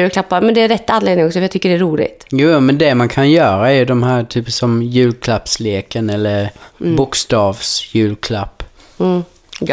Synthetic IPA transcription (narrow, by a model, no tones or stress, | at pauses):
jʉlkʰlapːaɾmɛnd̪ɛæɾɛt̪ːanleːd̪nɪŋɔksɔfjɑt̪ʰʏkːəɖɛæɾuːlɪ̰t̪juːjmɛnd̪ɛmankʰanjœːɾaɛɾjɵd̪ɔmɦæːɾt̪ʰyːpsɔmjʉ̟ːlkʰlapsleːkənɛlːəɾbʊkst̪ɑːvsjʉ̟ːlkʰlapː